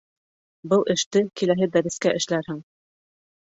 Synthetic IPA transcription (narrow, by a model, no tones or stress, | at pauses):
bɤlˠʔɘ̆ʃt̪ɘkilæɦɘd̪æɾɘ̆skæʔɘ̆ʃlæɾhɘŋ